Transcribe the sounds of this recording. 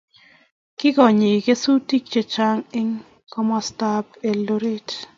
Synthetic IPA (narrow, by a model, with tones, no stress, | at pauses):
kɪ˦ɡɔ˨ɲi˨ke˦su˦ti˦k̚t͡ʃe˨t͡ʃa˦ŋɪ˦ŋ | kɔ˦mɔ˦sta˦pe˨lo˦ɾe˦˨t